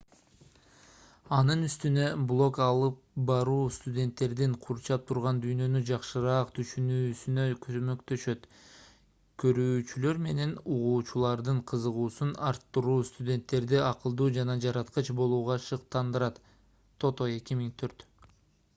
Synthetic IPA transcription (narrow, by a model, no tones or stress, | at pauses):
ɑnɯnyst̪ynø̞blˠo̞kɑlˠɯp̚bɑɾuːst̪udʲe̞nt̪ːe̞ɾd̪iɴqʰuɾt͡ʃɑp̚t̪ʰuɾʁɑnd̪yjnø̞nyd͡ʒɑqʃɯɾɑːqt̪ʰyʃynyːsynø̞kʰøzmø̞kt̪ø̞ʃø̞t̪ | kʰø̞ɾyːt͡ʃylø̞ɾme̞ne̞nuʁuːt͡ʃulˠɑɾd̪ɯɴqʰɯzɯʁuːsunɑɾt̪ːɯɾuːst̪udʲe̞nt̪ːe̞ɾd̪iɑqɯlˠd̪uːd͡ʒɑnɑd͡ʒɑɾɑt̪qɯt͡ʃbo̞lˠuːʁɑʃɯq̚t̪ɑnd̪ɯɾɑt̪ːʰ | o̞t̪o̞e̞kimiŋt̪ʰø̞ɾt̪